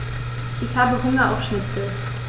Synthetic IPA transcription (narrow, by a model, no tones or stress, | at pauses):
ʔɪçhaːbəɦʊŋɐʔa̰ʊfʃnɪt͡sl̩